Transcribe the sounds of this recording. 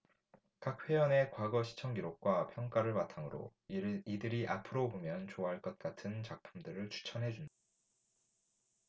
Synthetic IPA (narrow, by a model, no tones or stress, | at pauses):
kak̚ɸwe̞jʌne̞kwaɡʌɕʰi̥t͡ɕʰʌŋɡiɾok̚k͈wapʰjʌŋk͈aɾɯɭmatʰaŋɯɾo̰idɯɾiʔapʰɯɾobomjʌnt͡ɕoaɦaɭk͈ʌt̚k͈atʰɯnt͡ɕak̚pʰumdɯɾɯɭt͡ɕʰu̥t͡ɕʰʌnɦe̞d͡ʑunda